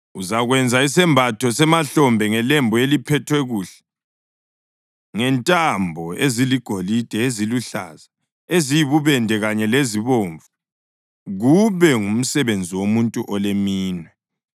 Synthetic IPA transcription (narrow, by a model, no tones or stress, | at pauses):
uzaɣwɛnd͡zʱais̬ɛmbʱatʰɔsɛmaɬɔmbʱɛŋɛlɛmbʱɔelipʰɛtʰwɛɣuːɬɛ̥ | ŋɛntʼambʱɔeziliɡ̥ʱolid̥ʱɛeziluɬa̰za | ezijiβuβɛndʱɛɣaɲɛleziβoːɱvu | ɣuβɛŋum̩sɛβend͡zʱiwomuntʼuʔɔlemiːnwɛ